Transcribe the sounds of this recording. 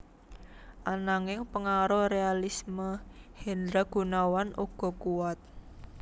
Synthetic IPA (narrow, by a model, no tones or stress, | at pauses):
ʔanaŋɪŋpəŋaɾɔrealisməhɛnd̪ɾaɡ̥ṳnawanʔuɡ̥ɔ̤kuwat̪̚